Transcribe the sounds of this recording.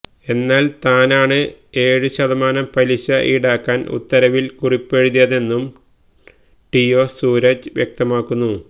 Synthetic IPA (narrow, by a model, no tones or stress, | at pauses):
e̞nːaːlt̪aːnaːɳɨe̞ːɻɨɕɐðɐmaːnɐmpɐliɕɐʔḭɽaːkːaːnʔṵt̪ːɐɾɐʋilkuripːeɻuðijɐðe̞nːum | ʈijo̞ːsuːɾɐd͡ʑʋjek̚t̪ɐmaːkːunːu